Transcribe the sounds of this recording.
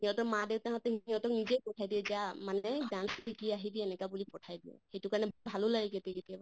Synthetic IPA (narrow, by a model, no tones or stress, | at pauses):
hiɔ̃tɔkmadewtaɦɔt̪ɛɦɔ̃tɔknizejpɔtʰajdiɛzamanɛzansikiaɦidiɛnɛkabulipɔtʰajdiɛ̰hetukaɹnɛbbʱalulaɡik̬ɛtɛketiaba